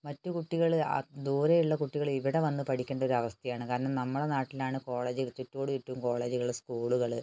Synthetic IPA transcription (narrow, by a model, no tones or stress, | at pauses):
mɐtːukuʈːiɣɐɭ̰d̪uːɾejuɭːɐkuʈːiɣɐɭiʋiɽe̞ʋɐnːɨpɐʈʰikʲːeːɳɖɐo̞ɾuɐʋɐst̪ʰɐjaːɳɨkaːɾɐɳɐmnɐmːuɽenaːʈːilaːɳɨko̞ːɭeːd͡ʑiɣɐt͡ɕːutːoːɽɨutːuumko̞ːɭe̞ːd͡ʑuɣɐɭskuːɭuɣɐɭɨ